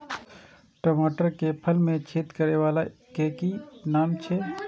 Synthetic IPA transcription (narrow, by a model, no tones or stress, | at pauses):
ʈomoːʈəɾkepʰəlmẽt͡ʃʰeːt̪kəɾeʋaːlakeːkinaːmt͡ʃʰe